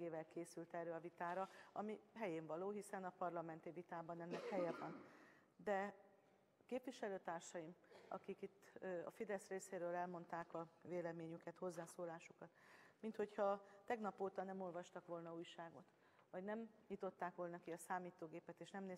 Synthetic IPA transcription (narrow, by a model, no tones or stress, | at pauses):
eːvɛlkeːsylt̪ɛrːøːɒvit̪aːɾɒɒmiɦɛjeːɱvɒloːɦisɛnɒpɒrlɒmɛnt̪ivit̪aːbɒnɛnːɛkhɛjɛbɒn | d̪ɛ | keːpʋiʃɛløːt̪aːrʃɒjimɒ̰kikit̪ːɒ̰fid̪ɛsreːseːɾøːlɛlmo̞nt̪aːkɒveːlɛmeːɲykɛt̪ho̞zːaːsoːlaːʃukɒt̪mint̪ho̞chɒt̪ɛɡnɒpoːt̪ɒnɛmo̞lvɒʃt̪ɒkʋo̞lnɒuːjʃaːɡo̞t̪ | vɒɟnɛmɲit̪o̞t̪ːaːkʋo̞lnɒkiɒsaːmiːt̪oːɡeːpɛt̪eːʃnɛmneː